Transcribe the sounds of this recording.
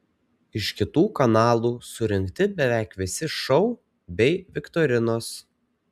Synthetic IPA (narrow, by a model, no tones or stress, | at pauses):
ɪʃkʲɪt̪uːkɐnɑːlˠuːsʊɾʲɪŋʲˑkt̪ʲɪbʲɛʋʲæˑɪkʋʲɪsʲɪʃɔʊ | bʲɛɪʋʲɪkt̪ɔɾʲɪnoːs